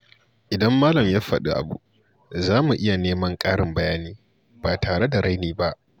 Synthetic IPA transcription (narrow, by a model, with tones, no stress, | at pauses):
ʔɪ˨dɐ˦mːaː˦lɐ˨mjaː˦ɸɐ̰˨ɗṵ˦ʔa̰˨bṵ˦ʔ | zaː˦mu˨ʔɪ˦ja˨neː˦mɐ˦ŋkʼaː˦ɽɪ˨mbɐ˦jaː˦niː˦ | b̥aː˨taː˨ɽe˦da˨ɾa˦jniː˦ba˦ʔ